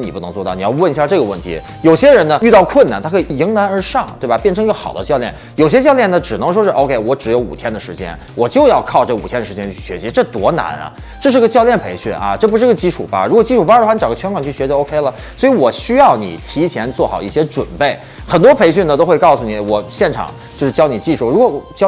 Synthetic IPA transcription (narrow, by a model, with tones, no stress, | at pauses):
ni˨˩pu˥˩nɤ˧˥ŋt͡swɔ˥˧t̪ɑ˥˩ni˨˩jɑ˥˧wə˥˩ni˥ɕja˥˧ʈ͡ʂɤ˥˩ɡə˩wə˥˩nt̪ʰḭ˧˥ | jo˨˩ʊɕjɛ˥ɻə˧˥nnə˧y˥˧t̪ɑ˥˧ʊkʰwə˥˩na̰˧˩nt̪ʰa˥kʰi˨˩i˧˥ŋna˧˥nə˞˧˥ʂɑ˥˩ŋt̪we˥˩bɐ˨˩pjɛ˥˩nʈ͡ʂʰɤ˧ŋ˧˥ɡə˧xɑ˨˩ʊd̪ə˦t͡ɕjɑ˥˧ʊljɛ˥˩n | jo˨˩ʊɕ̬jɛ˥t͡ɕjɑ˥˧ʊljɛ˥˩nə˩ʈ͡ʂɻ̩˨˩nɤ˧˥ŋʂ̬wɔ˥ʂɻ̩˥˩ʔo˥˧ʊkʰe˥˩ɪwɔ˧˥ʈ͡ʂɻ̩˧˥jo˧˥ʊṵ˨˩t̪ʰjɛ˥nd̪ə˨ʂɻ̩˧˥t͡ɕjɛ̰˥n | wʔɔ˨˩t͡ɕjo˥˧ʊjɑ˥˧ʊkʰɑ˥˧ʊʈ͡ʂɤ˥˩u˨˩t̪ʰjɛ˥nd̪ə˩ʂɻ̩˧˥t͡ɕjɛ˥nt͡ɕʰy̥˥˩ɕɥɛ̰˧˥ɕi˧˥ʈ͡ʂɤ˥˩t̪wɔ̰˧˥na̰˧˥nɐ̰˧˩ | ʈ͡ʂɤ˥˧ʂ̬ɻ̩˥˧˥ɡə˧t͡ɕjɑ˥˧ʊljɛ˥˩npʰe˧˥ɪɕy̰˥˩nɐ̰˧ʈ͡ʂɤ˥˩p̬u˥ʂɻ̩˥˧˥ɡə˩˧t͡ɕi˥ʈ͡ʂʰṵ˨˩paɐ̰˦˥ɻkwɔ˨˩t͡ɕi˥˧ʈ͡ʂʰu˥˩pa˥˧˥wa˥˩ni˧˥ʈ͡ʂɡə˦t͡ɕʰɥɛ˥nkʰwa˨˩ŋt͡ɕʰy˥˩ɕɥɛ˧˥˧o˥ʊkʰe˥ɪlə˨ | swɔ˧˥i˧˥wɔ˨˩ɕy˥jɑ˥˩ʊnḭ˨˩t̪ʰi˧˥t͡ɕʰjɛ˧˥nt͡swɔ˥˩xɑ˨˩ʊi˥˩ɕjɛ˥ʈ͡ʂwə̰˨˩npe˥˩ɪ | xə˨˩nt̪wɔ˥pʰe˧˥ɪɕy˥˩nə˩t̪o˥ʊxwe˥˧ɪkɑ˥˩ʊsu˩ni˨˩wɔ˨˩ɕjɛ˥˩nʈ͡ʂʰɑ̰˨˩˦ŋ | t͡ɕjo˥˧ʊʂɻ̩˥˩t͡ɕjɑ˥ʊni˨˩t͡ɕi˥˧ʂʰu˥˩ɻu˧˥kwɔ˧˥˩t͡ɕ